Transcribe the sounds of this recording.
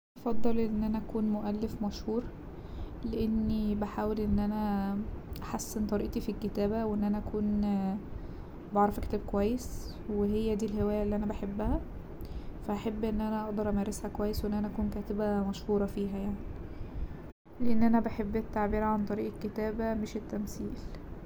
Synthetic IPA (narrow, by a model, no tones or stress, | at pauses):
ʔɑfɑd̪ˤːɑlʔenːʔænæʔækuːnmoʔælːefmæʃhuːɾ | leʔenːibeħaːwelʔenːʔænæ | ʔaħasːent̪ˤɑɾiːʔt̪ifikːet̪æːbæweʔenːʔænæʔækuːn | bɑʕɾˤɑfæke̥t̪æːb̚kowæjːes | weɦejːæd̪iːlɦewæːjæʔlːiʔænæbaħebːæhæ | fæʔæħebːʔenːʔænæʔɑʔd̪ɑɾˤʔæmæːɾeshækowæjːesweʔenːʔænæʔækuːnkæːt̪ebæmæʃhuːɾˤɑfiːɦæjaʕnii | leʔenːʔænæbaħebːet̪ːaʕbiːɾʕant̪ˤɑɾiːʔekːet̪æːbæmeʃet̪ːæmsiːl